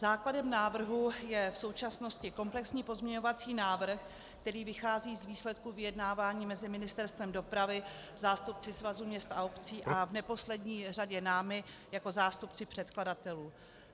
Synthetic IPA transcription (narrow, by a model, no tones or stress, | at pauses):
zaːkladɛmnaːvr̩ɦujɛfso̞wt͡ʃasno̞scɪko̞mplɛksɲiːpo̞zmɲɛɲo̞vat͡siːnaːvr̩x | kkt̪ɛɾiːvɪxaːziːzviːslɛt̪kuvɪjɛdnaːvaːɲiːmɛzɪmɪnɪst̪ɛɾst̪vɛmdo̞pɾavɪ | zaːst̪up̚t͡sɪsvazumɲɛst̪aopt͡siːʔavnɛpo̞slɛdɲiːraɟɛnaːmɪjako̞zaːst̪upt͡sɪpr̥ɛt̪kladat̪ɛluː